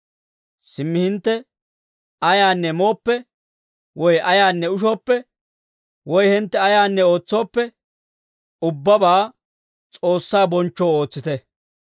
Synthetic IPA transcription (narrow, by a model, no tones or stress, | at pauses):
sɪmːɪhɪnt̪ːɛ | ɐjaːnːɛmo̞ːpːɛ | wɔjʔɐjaːnːɛʊʃ̬o̞ːpːɛ | wɔjhɪnt̪ːɛɐjaːnːɛo̞ːt͡sːo̞ːpːɛ | ʊbːɐbaː | t͡sʼo̞ːsːaːbɔnt͡ʃːoːoːt͡sːɪt̪ɛ